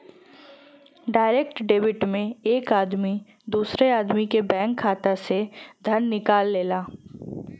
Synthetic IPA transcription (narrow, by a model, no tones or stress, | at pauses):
ɖaːɪɾeːk̚ʈɖeːbɪʈmẽeːkaːd̪mi | d̪uːsɾeaːd̪mikebɛ̃ːŋkʰːaːt̪ased̪ʱɐnːɪkaːlːeːlaː